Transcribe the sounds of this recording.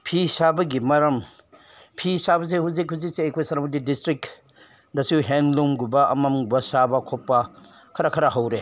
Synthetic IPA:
pʰisabɐɡimɐɾɐm | pʰisabɐs̬ehuzikhuzik̚seːjkʰojsɐɾmudidistɾik̚ | dɐsuɦenlumɡubɐɐ̰mɐmɡbɐsabɐkʰopːɐ | kʰɐɾɐkʰɐɾɐɦɐwɾe

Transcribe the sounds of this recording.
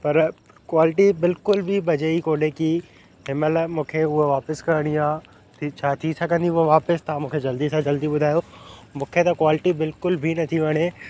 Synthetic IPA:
pɐɾ | kwaːlɪʈibɪlkʊlbʱibɐd͡ʒeikoːɗeki | ɦɪməlmũːkʰeʊɦʋaːpəskɐɾɽ̃iãː | t̪ʰit͡ʃʰaːt̪ʰisʰãkɐ̃nd̪iʊɦoʋaːpɪst̪ɐãmũːkʰed͡ʒɐld̪iːsãd͡ʒɐld̪iɓʊd̪ʱaːjomũːkʰet̪ɐkwaːlɪʈibɪlkʊlbʱinɐt̪ʰiʋɐɽ̃eː

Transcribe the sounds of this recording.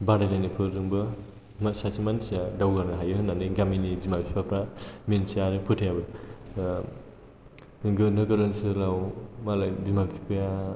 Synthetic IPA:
baɾalajnɯpʰɯzɯŋbɯ | masasimansijadawɡanɯɦajɯɦɯnːanɯɡaminibimapʰipʰapʰɾamensiaɾɯpʰɯtʰijabɯ | ɯŋɡɯnɯɡɯɾɯnsɯlawmalajbimapʰipʰɯja

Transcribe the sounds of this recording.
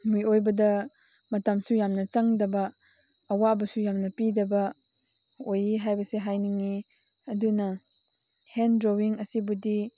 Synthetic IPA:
mujojbɐdɐ | mɐtamsujamnɐt͡ʃɐŋdɐbɐː | wabɐsujamnɐpidɐbɐ | ojiɦajbɐseɦajniŋi | ɐdunɐ | hendɾowiŋɐsibudi

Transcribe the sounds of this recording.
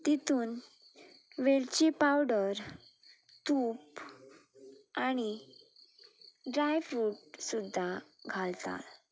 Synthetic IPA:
t̪it̪ʰuːn | ʋeɭt͡ɕepawɖəɾ | t̪up | aɽ̃i | ɖɾajfuːʈ̚sud̪ʱːaɡʱalt̪a̰t̪

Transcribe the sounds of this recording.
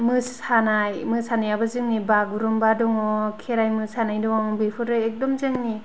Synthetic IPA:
mɯsanajmɯsanajabazɯŋnibaɡuɾɔmbadɔŋɔkʰeɾajmɯsanajdɔŋbipʰɯɾɯek̚dɔmzɯŋni

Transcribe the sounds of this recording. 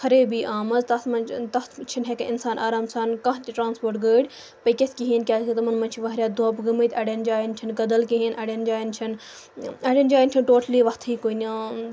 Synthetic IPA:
kʰɐɾeːbiːʔaːmɐzt̪ɐsmɐnt̪ɐt̪t͡ʃʰinɦekɐʔɪnsaːnʔa̰ːɾaːmsaːnkɐ̃t̪iʈɾaːnspoːɾʈɡəːɽʲ | pɐkʲesʲkiɦiːnkʲaːkʰit̪ɐmɐnmɐnʲt͡ʃʰiʋɐɦɾʲjaːd̪oaːpɡɐmɐt̪ʰʲɐɽend͡ʒaːjint͡ʃʰinɡɐd̪ɐlkiɦinʔɐɽʲɐnd͡ʒaːjint͡ʃʰin | ɐɽʲend͡ʒaːjint͡ʃʰinʈoːʈʰliːʋɐst̪ʰiːkoːiniãː

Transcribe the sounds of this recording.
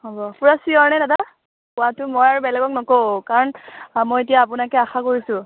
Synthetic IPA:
hobɔpuɹasiɔɹnɛdata | pʊwatʊmojaɹubɛlɛɡɔknɔkokaɹɔnmojetijaːp̬unakɛaxakoɹisʊ̃

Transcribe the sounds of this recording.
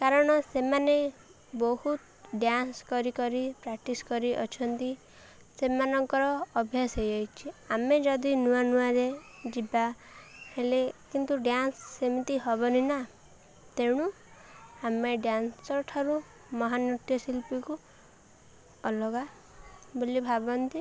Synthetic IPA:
kaɾɔɽ̃ɔsemane | bɔhut̪ | ɖjanskɔɾikɔɾipɾak̚ʈiskɔɾiʔɔ̰t͡ʃʰɔnt̪i | semanɔŋkɔɾɔːbʱjasɦejɔjt͡ʃʰiamed͡ʒɔd̪inuanuaɾed͡ʒiba | helekint̪uɖjansːemit̪iɦɔbɔnina | t̪eɽ̃u | ameɖjanssɔʈʰɔɾu | mɔɦanut̪jɔsilpiku | ɔlɔɡa | bolibʱabɔnt̪i

